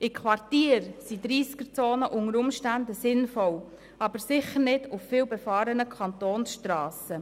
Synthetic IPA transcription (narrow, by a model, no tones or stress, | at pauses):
ɪkʰʋɑrtiːɾsidɾiːskəɾt͡soːnəʔʊŋəɾʊmʃtændəsɪnfɔw | ɑb̥əɾsɪχəɾnɪdʊfːɪːwbɛfɑːɾənəkʰɑnt̪oːnsʃtɾɑːsə